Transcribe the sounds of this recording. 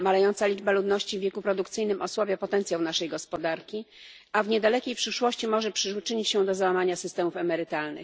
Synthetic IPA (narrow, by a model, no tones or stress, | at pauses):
malɛjɔnt̪salʲid͡ʐbalud̪nɔɕt͡ɕivʲjɛkupɾɔd̪ukt̪sɘjnɘmʔɔswabʲjapɔt̪ɛnt̪sjawnaʂɛjɡɔspɔd̪aɾkʲi | avɲɛd̪alɛkʲejpʂɘʂwɔɕt͡ɕimɔʐɛpʂɘt͡ʂɘɲit͡ɕɕɛd̪ɔzawamaɲasɘst̪ɛmufɛmɛɾɘt̪alnɘ̰x